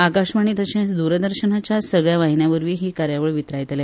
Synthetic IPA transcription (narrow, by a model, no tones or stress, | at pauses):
akaɕʋaɳ̃iːt̪əɕẽsd̪uɾəd̪əɾɕənat͡ɕjasəɡɭjaʋaɦinjaʋəɾʋiːɦiːkaɾjaʋəɭʋit̪ɾajt̪le